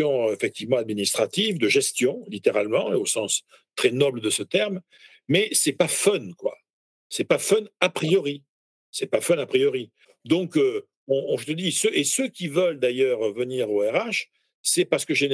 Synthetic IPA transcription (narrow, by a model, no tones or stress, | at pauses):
ɔ̃efɛk̚t̪ivmɑ̃ad̪̚minist̪χat̪ivd̪əʒɛst̪jɔ̃lit̪eʁalmɑ̃eosɑ̃s | t̪χɛnɔbləd̪əsət̪ɛʁm | mɛsɛpafœnkwa̰ | sɛpafœnapχijɔʁi | sɛpafœnapχijɔʁi | d̪ɔ̃kø | ɔ̃ɔ̃ʒət̪əd̪isøʔesøkʲivəld̪ajœʁvəniʁoɛʁaʃ | sɛpaʁsə̥kəʒen